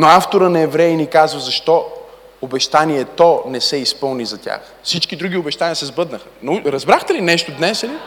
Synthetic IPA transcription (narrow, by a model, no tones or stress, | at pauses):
noaft̪oɾənɐɛvɾɛjinikazvɐzɐʃt̪ɔ | obɛʃt̪aniɛt̪ɔnɛsɛispɤlˠnizɐt̪ʲa̰x | fsit͡ʃkid̪ɾuɡiobɛʃt̪anʲijəsɛzbɤd̪nəxə̥nɐuɾɐzbɾaxt̪ɛlinɛʃt̪od̪nɛsɐli